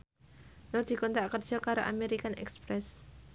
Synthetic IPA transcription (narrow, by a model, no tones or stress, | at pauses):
nɔrd̪̥i̤kɔnt̪ɾakərd͡ʒakaɾoʔa̰meɾikanɛ̰kspɾɛs